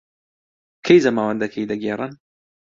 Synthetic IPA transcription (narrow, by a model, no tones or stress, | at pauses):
kʰɐjzɐmaːwɐnd̪ɐkʰɐjd̪ɐɡerˤɨn